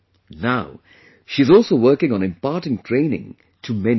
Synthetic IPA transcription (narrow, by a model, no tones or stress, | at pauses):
naʊ | ʃiɨzɔˑlˠsoʊwɜːkɪ̃ŋə̃nɨ̃mpɑːˑtɪ̃ŋtʰɹ̥ẽɪ̃nɪ̰̃ŋ | tʰəmɛn